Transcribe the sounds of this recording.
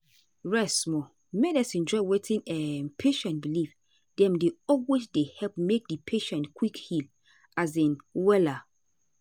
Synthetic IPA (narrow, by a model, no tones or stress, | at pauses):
ɹɛsmɔ | mɛdasĩnd͡ʒɔɪwetʰĩnɛnpʰeʃɛ̃ntbiliv | dɛ̃mdeɔlwesdehɛlpmek̚dipʰeʃɛ̃ntkwikhil | azĩnwɛla